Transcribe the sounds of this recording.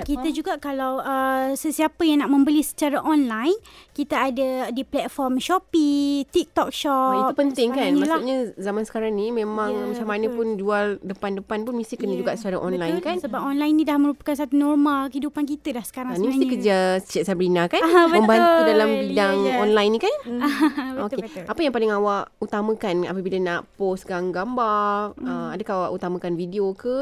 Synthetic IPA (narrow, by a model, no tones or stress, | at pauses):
kit̪ad͡ʒuɡaʔkalawəsəsiapəjaŋnaʔmə̃mbəlisə̥t͡ʃaɾaʔɔnlajnkit̪aadadiplɛt̪̚fɔrmʃɔpit̪ik̚t̪ɔk̚ʃɔip̪upənt̪ɪŋkanɲmalauʔɲazamansə̥kaɾaŋnimẽmãŋmat͡ʃamanə̃pʊnd͡ʒualdəpandəpanpʊnmist̪ihkənəd͡ʒuɡaʔsuaɾaʔɔnlajnkansəbapɔnlajnidahməɾupḁkansat̪unɔrmalkəhidupankit̪ədahsə̥kaɾãŋanimist̪ikəd͡ʒast͡ʃaʔsabɾinakanəməmbaudalambidaŋɔnlajnĩkan | okeapajãŋpalɪŋawaʔut̪amãkana̰pabilanaʔposɡaŋɡambaəmadakaawaʔut̪amãkanvidiokə